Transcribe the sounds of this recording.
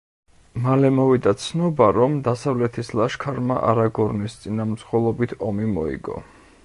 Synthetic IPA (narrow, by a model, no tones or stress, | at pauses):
malɛmɔvid̪at̪sʰnɔbaɾɔmd̪asavlɛt̪ʰislˠaʃkʰaɾma̰ʔa̰ɾaɡɔɾnist̪sʼinamɾsχwɛlˠɔbit̪ʰɔmimɔḭɡɔ̰